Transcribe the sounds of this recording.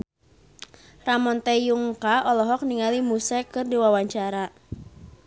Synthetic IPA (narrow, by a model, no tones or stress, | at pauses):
ramɔnt̪ɛjuŋkaɔlɔɦɔk̚niŋalimusɛkɨrdiwawaɲt͡ʃaɾa